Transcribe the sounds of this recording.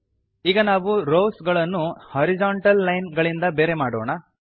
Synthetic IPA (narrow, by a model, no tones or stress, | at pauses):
iːɡɐnaːʋuɾoːsɡɐɭɐnːuhɐɾid͡ʒaːɳʈɐlːɐjnɡɐɭind̪ɐbe̞ːɾe̞maːɽoːɳɐ